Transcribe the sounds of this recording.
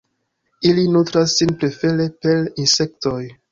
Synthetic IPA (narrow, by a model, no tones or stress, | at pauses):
ilinutɾasːinpɾe̞fe̞ɾe̞pe̞linse̞k̚to̞j